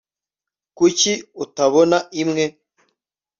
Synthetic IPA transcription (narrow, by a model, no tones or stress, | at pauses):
kuciutaβonaimŋe̞